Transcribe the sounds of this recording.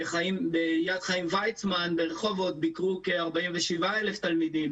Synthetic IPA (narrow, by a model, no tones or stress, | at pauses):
χaimbejad̪χaimvajt͡smanbeʁeχo̞vo̞t̪̚bikʁuke̞aʁbaimveʃivae̞left̪almid̪im